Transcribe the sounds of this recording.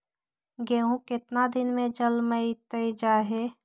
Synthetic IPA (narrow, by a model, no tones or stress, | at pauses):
ɡeɦũkɪt̪nad̪ɪnmẽd͡ʒəlməit̪əid͡ʒaːɦe